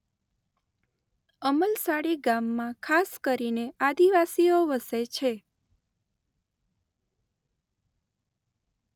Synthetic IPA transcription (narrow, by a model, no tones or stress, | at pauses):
əməlsaɽiɡamːãkʰaskəɾinead̪iʋasioʋəset͡ʃʰe